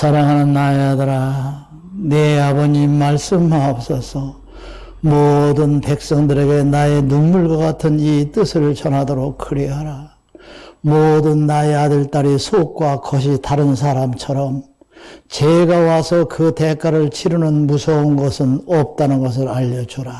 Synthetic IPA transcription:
t͡ɕʌɾaŋɦanɯnːajadʌɾa | neabʌɲimaɭs͈ɯmɦaʌp̚s͈ʌsʰʌ | modɯnpe̞k̚s͈ʌŋdɯɾe̞ɡe̞nae̞nunmuɭɡʌk͈atʰɯnit͈ɯsʰɯɭt͡ɕʌnɦadoɾok͈ʰːɯɾiɦaɾa | modɯnːaeadɯɭt͈aɾisʰok̚k͈wakʌɕʰitaɾɯns̬ʰaɾamt͡ɕʰʌɾʌm | t͡ɕeɡawasʰʌkɯte̞k͈ʰaɾɯɭt͡ɕʰiɾunɯnmusʰʌunɡʌsʰɯnʌp̚t͈anɯnɡʌs̬ʰɯɾaʎːʌd͡ʑoɾa

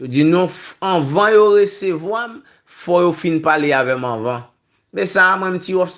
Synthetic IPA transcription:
jod͡zinɔ̃fɐ̃vãjoʁesevwam | fɔjofinpaleavɛmɐ̃vɑ̃ | bɛsamwɛ̃m̩tiɔfs

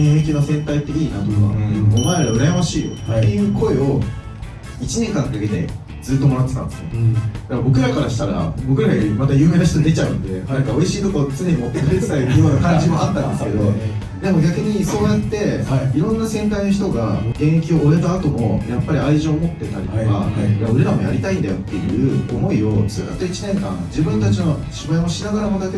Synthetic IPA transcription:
ẽɰ̃e̞k̬ʲinosẽ̞nt̪ait̪ːe̞iːnat̪o̞ka̰omaeɾaɾaɯɾajamaɕiːjo̞̰t̪ːe̞jɯ̟ːko̞e̞o̞ | it͡ɕineŋkãŋd̪ake̞d̪e̞̰ | d͡zɨːt̪ːo̞manat̪ːet̪ã̰nd̪sɨod̪ambo̞kɯ̟ɾakaɾaɕi̥t̪aɾa̰bo̞kɯ̟ɾaɡamat̪ajɯ̟ːme̞ːnaç̬i̥t̪oɲid̪e̞t͡ɕaɯ̟̃nod̪e̞anakao̞iɕiːt̪o̞kaot͡sɨne̞ɲ̟imo̞t̪ːekɯ̟ɾet͡sɨ̥t̪aijoːnakãɲd͡ʑimo̞at̪ːãnd̪e̞ske̞d̪o̞ | d̪e̞mo̞ɡʲakɯ̟ɲ̟iso̞ːjat̪ːe̞iɾõ̞nːasẽ̞ŋk̪aino̞ç̬i̥t̪o̞ɡaɡẽ̞ɰ̃ekʲio̞ːɾe̞t̪aːt̪o̞mo̞̰japːaɾʲiaiʑioːmo̞t̪ːe̞t̪aɾʲḭt̪oka̰aɯ̟ɾeɾamo̞̰ja̰ɾʲit̪aĩnd̪ajo̞t̪ːe̞jɯ̟̰ːo̞mo̞io̞t͡sɨːja̰t̪ːoit͡ɕinẽ̞ŋkã̰ŋd͡ʑibɯ̟̃nt̪at͡ɕino̞ɕibaemoɕinaɡaɾamod̪ake

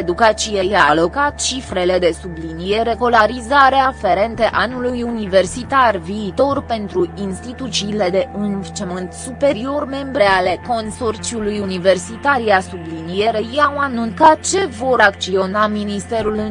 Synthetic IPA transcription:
ed̪ukat͡ʃijejalo̞kat̪t͡ʃifɾe̞le̞d̪e̞sublinije̞ɾe̞kolaɾizaɾeafeɾe̞nt̪əʔanulujunive̞rsit̪arviːt̪o̞rpe̞nt̪ɾuinst̪it̪ut͡ʃiːle̞d̪e̞ɨnvt͡ʃemɨnt̪supe̞ɾio̞rme̞mbɾe̞ale̞ko̞nso̞rt͡ʃiulujunive̞rsit̪aɾiasublinije̞ɾejawanunt̪sat̪̚t͡ʃe̞vo̞ɾak̪̚t͡ʃio̞naminist̪e̞ɾulɨ

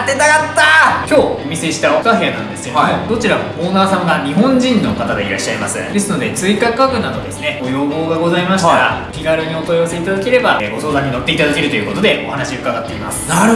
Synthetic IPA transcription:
t̪ːet̪akat̪ːakʲo̞ːomʲise̞ɕi̥t̪aokaɦeanã̰nd̪e̞sɨod̪o̞t͡ɕiɾamooːnaːsãŋɡaɲ̟iɦõ̞ɲ̟d͡ʑĩnːo̞kat̪ad̪e̞iɾaɕːaimasɨd̪e̞sɨno̞d̪e̞t͡sɨikakakɯ̟nad̪o̞d̪e̞sɨneɡojo̞ːɡo̞ːɡaɡo̞zaimaɕi̥t̪aɾa̰kʲiɡaɾɯɲ̟io̞t̪o̞jose̞it̪ad̪ake̞ɾe̞baɡo̞so̞ːd̪ãɲ̟ino̞t̪ːe̞it̪ad̪ake̞ɾɯ̟t̪o̞jɯ̟ko̞t̪o̞d̪e̞o̞̰hanaɕiɯ̟kaɡat̪ːe̞ima̰sɨ̥a

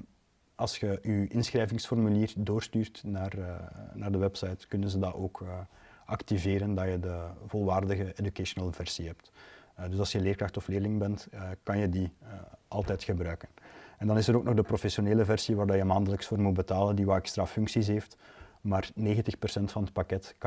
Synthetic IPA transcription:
ɑlˠsxəʔyɪnsxrɛːjvɪŋsfɔrmyliːrdoːrstyːrtnaːrnaːrdəwɛpsɑjtkʏnənzədɑʔoːkʰʔɑktiveːɾəndɑjədəvɔlˠʋaːrdəɣəedykaʃonəlˠvɛrsiɦɛp̚tdʏsɑlˠsjəleːrkrɑxtɔfleːrlɪŋbɛntkɑnjədiʔɑlˠtɛːtxəbɾœːkənɛndɑnɪsəɾoːknɔxdəprofɛsjoneːləvɛrsiʋaːrdɑjəmaːndələksfoːrmut̚bətaːləndiʋaːɛkstrafʏŋksis̬ɦeːftmaːrneːɣəntəxpərsɛntfɑnɦət̚pakɛtk

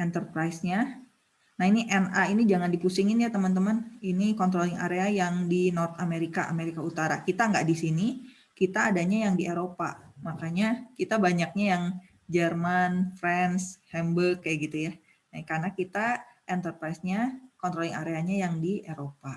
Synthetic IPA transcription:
ʔɛnt̪ərpɾajsɲa | nahiniʔɛnainid͡ʒaŋandipusɪŋɪnjat̪əmənt̪̬əməninikɔnt̪ɾolɪŋa̰ɾeajaŋdinort̪ameɾikaʔameɾikaut̪aɾakit̪aŋɡaʔdisini | kit̪aːdaɲajaŋdiʔeɾopamakaɲakit̪abaɲak̚ɲajaŋ | d͡ʒərmanfɾɛnshɛmbəkːajaɡit̪uja | nakarnakit̪aʔɛnt̪ərpɾaisɲakɔnt̪ɾolɪŋaɾeaɲajaŋdieɾopa

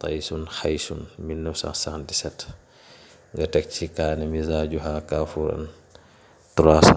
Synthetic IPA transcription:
t̪a̰jsunxajsunminːɐfsa̰nsandisɛt | ŋɡɐtɛk̚t͡ʃikaːnɛmizaːɟuɦaːkaːfuːɾɐ̰n | tuɾas

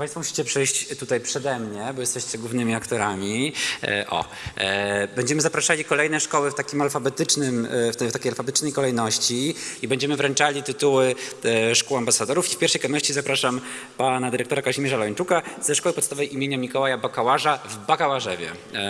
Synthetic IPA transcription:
paɲj̃st̪fɔmuɕi̥t͡ɕɛpʂɛjɕt͡ɕt̪ut̪ajpʂɛd̪ɛmɲɛbɔjɛst̪ɛɕt͡ɕɛɡwuvnɘmʲiakt̪ɔɾamʲḭ | ʔɔ̰ | bɛɲd͡ʑɛmɘzapɾaʂalʲikɔlɛjnɛʂkɔwɘft̪akʲimalfabɛt̪ɘt͡ʂnɘmft̪t̪akʲejalfabɛt̪t͡ʂnɛjkɔlɛjnɔɕt͡ɕiibɛɲd͡ʑɛmɘvɾɛnt͡ʂalʲit̪ɘt̪uwɘʂkuwambasad̪ɔɾufifpʲjɛɾfʂɛjkɔnɔɕt͡ɕizapɾaʂam | panad̪ɘɾɛkt̪ɔɾakaʑimʲeʐalɔɲt͡ʂukazɛʂkɔwɘpɔt̪st̪avɛjʔimʲeɲamʲikɔwajabakawaʐavbakawaʐɛvʲjɛ̰

